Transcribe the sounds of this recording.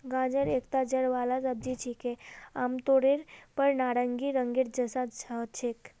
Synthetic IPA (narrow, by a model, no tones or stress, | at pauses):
ɡãd͡ʒəɾekt̪ad͡ʒəɽʋalasəb̚d͡ʒit͡ʃʰikeamt̪oɽeɾpəɾnaɾəŋɡiɾəŋɡiɾd͡ʒəsãt͡ʃʰat͡ʃʰek